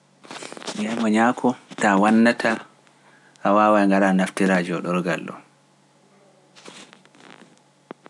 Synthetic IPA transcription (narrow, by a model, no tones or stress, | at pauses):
jajmɔɲaːkʰɔtawanːatʰa | ʔawaːwajŋɡaɾanaftiɾad͡ʒɔɗɔɾɡalːʔɔ̰